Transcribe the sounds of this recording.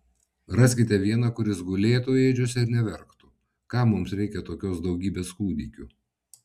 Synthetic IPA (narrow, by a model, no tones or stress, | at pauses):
ɾɑsʲkʲɪt̪ʲɛʋʲiɛnɑkʊɾʲɪsɡʊlʲeːt̪ueːd͡ʒʲʊsʲɪɾnʲɛʋʲɛɾkt̪u | kɑːmʊmsɾʲɛɪkʲɛt̪oːkʲoːsd̪ɒʊɡʲiːbʲeːskuːd̪ʲiːkʲu